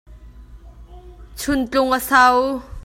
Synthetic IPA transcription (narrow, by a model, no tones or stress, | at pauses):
t͡sʰʊnt͡ɬʊŋʔəsaw